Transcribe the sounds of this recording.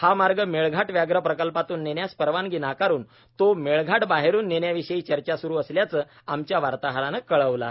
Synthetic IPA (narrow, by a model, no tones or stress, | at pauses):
hamaɾɡəmeɭɡʱaʈʋjaɡɾəpɾəkəlpat̪uːnːeɳjaspəɾʋanɡinakaɾuːn | t̪omeɭɡʱaʈbaɦeɾuːnːeɳjaʋiɕəiːt͡ɕəɾt͡ɕasuɾuːəsljat͡səː | amt͡ɕjaʋaɾt̪aɦɾanəkːəɭəʋla̰